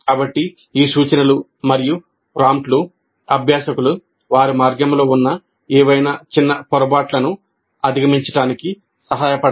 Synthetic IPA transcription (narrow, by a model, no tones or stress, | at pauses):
kaːbɐʈːi | iːsuːt͡ʃɐnɐlu | mɐɾiju | pɾaːmʈlu | ɐbʱjaːsɐkulu | ʋaːɾimaːɾɡjɐmlo̞ːunːɐ | ɛːʋɐjnat͡ʃinːɐpɔɾɐbaːʈlɐnu | ɐd̪ʱiɡɐmiɲt͡ʃɐʈaːniki | sɐɦaːjɐpɐɽ